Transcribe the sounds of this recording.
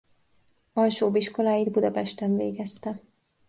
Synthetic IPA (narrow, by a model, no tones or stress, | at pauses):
ɒlʃoːbiʃko̞laːjid̪bud̪ɒpɛʃt̪ɛɱveːɡɛst̪ɛ